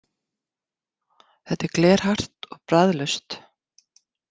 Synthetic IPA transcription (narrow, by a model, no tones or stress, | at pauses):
θɛt̪ːɛɾklɛːɾ̥har̥t̪ɔɣpɾaðlœst̪